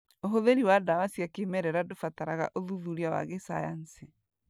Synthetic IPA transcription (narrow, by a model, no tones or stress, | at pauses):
oɦoðeɾiwadawasiakemɛɾɛɾadofataɾaɣa̰ʔoðuðuɾiawa̰ɣesajanse